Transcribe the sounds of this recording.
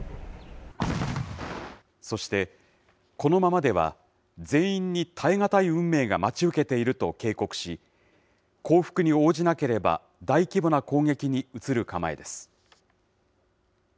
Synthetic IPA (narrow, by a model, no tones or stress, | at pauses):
so̞ɕi̥t̪e̞ | ko̞no̞mamad̪e̞β̞a̰ | zẽ̞ĩɲ̟ːit̪ʰaeŋat̪aiɯ̟̃mːe̞ːɡamat͡ɕiɯ̟ke̞t̪e̞iɾɯ̟t̪o̞ke̞ːko̞kɯ̟̥ɕi | kʰo̞ːɸɯ̥kɯ̟ɲ̟io̞ːʑinake̞ɾe̞ba̰ | d̪aikʲibo̞nako̞ːŋe̞kʲiɲ̟iɯt͡sɨɾɯ̟kama̰e̞̰d̪e̞sɨ̥